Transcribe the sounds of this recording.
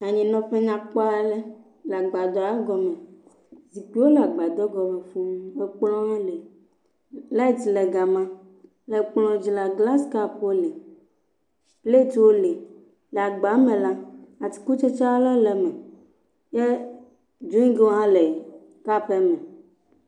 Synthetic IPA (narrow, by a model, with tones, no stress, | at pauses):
a˨ɲĩ˨nɔ̃˨ɸe˦ɲã˦k͡pɔ˦a˦ɛ˦lɛ˦ | lɛ˨a˨ɡ͡ba˨d̪ɔ˨a˦ɡɔ˦mɛ̃˨ | zi˨k͡pi˦wo˦lɛ˨a˨ɡ͡ba˨d̪ɔ˦ɡɔ˨mɛ˨fu˦m˦e˦k͡plɔ̃˦ã˦le˨ | la˦i˦t̪lɛ˨ɡa˨mã˦ | lɛ˨k͡plɔ̃˨d͡ʑi˨la˨ɡla˦ska˦pwo˦le˨ | ple˦t̪wo˦le˨ | lɛ˨a˨ɡ͡ba˨˦mẽ˨la˦a˨ti̥˨ku˦t͡ʃe˦t͡ʃa˦lɔ˦lɛ˨mɛ˨ | jɛ˦ | d͡ʒu˦ĩ˦ɡe˦wo˦ɦã˦le˨ | ka˦ɸɛ˦mɛ˨